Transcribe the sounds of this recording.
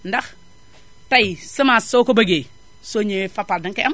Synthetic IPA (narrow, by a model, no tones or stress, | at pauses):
ndax | tajisimasokobaɡe | soɲewefapaldiŋkeam